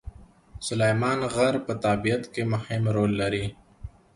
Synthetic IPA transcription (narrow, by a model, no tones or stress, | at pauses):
sʊlejmaːnɣɐɾpət̪aːbijət̪kemʊhɪmɾoːlːɐɾiː